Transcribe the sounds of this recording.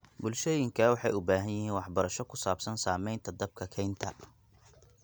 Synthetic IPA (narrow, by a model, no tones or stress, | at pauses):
bʊlʃɛjɪŋkʰɐwɑħɑjʊbaːɦɐnjɪhiːnwɑħbɐɾɐʃɔkʰʊsaːbsɐnsaːmɛjnt̪ʰɐd̪ɐb̚kʰɐkʰɛjnt̪ʰɐ